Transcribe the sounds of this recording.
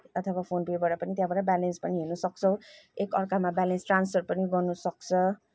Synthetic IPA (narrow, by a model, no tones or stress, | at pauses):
ʌt̪ʰʌwapʰonpebʌɾapʌnit̪jãbʌɽabalenspʌniɦenʌsʌk̚t͡sʰʌw̃ekʌrkamabalensʈranspʰʌrpʌniɡʌrnusʌk̚t͡sʰʌ